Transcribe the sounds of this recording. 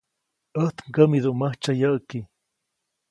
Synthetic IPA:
əht̪ŋɡəmiðuʔməht͡ʃajəʔki

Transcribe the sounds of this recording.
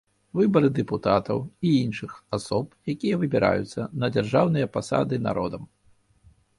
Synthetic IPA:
vɨbɐɾɨd̪ɛput̪at̪ɐwiinʂɨxasɔpjakʲijɐvɨbʲiɾa̰jut̪sːɐnɐd͡zʲarʐawnɨjɐpasa̰d̪ɨna̰ɾʔɔd̪ɐm

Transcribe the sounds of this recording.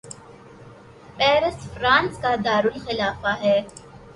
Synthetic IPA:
pɛːɾəsfɾãːnskad̪aːɾʊlxɪlaːfaɦɛː

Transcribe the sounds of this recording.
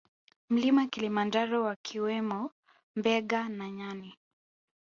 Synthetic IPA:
m̩limakilimand͡ʒaɾɔwakʰiwɛmɔ | mbɛɠanaɲani

